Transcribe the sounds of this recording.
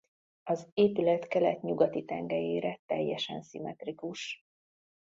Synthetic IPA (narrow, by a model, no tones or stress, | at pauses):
ɒzeːpylɛt̪kɛlɛt̪ɲuɡɒt̪it̪ɛŋɡɛjeːɾɛt̪ɛjːɛʃɛnsimɛt̪rikuʃ